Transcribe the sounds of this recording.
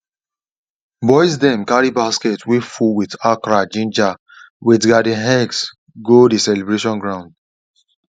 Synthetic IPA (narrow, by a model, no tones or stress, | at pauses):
bɔjs̬dɛ̃mkaɾibasketwifuwitakɾad͡ʒĩnd͡ʒa | witɡadĩɦɛ̃ɡs | ɡodisɛlebɹeʃɔ̃nɡɹãʊ̃nd